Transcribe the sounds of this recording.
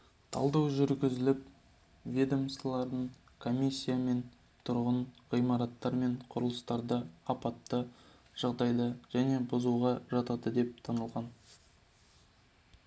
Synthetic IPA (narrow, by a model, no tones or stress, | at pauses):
t̪ʰɑ̰lˠd̪ɑwʒʏɾɡʲɪzɪlɪp̚ | vʲed̪omslˠɑɾd̪əɴ | kʰo̞mʲijsʲːijame̞n | t̪ʰʊɾʁəɴʁijmɑɾɑt̪ːɑɾme̞ɴqʰʊɾəlˠəst̪ɑɾd̪əɑpɑt̪ːə | ʒ̥ɑʁd̪ɑjd̪əʒ̥æne̞bʊzuʁɑʒɑt̪ɑd̪əd̪e̞p̚t̪ʰɑnəlˠʁɑn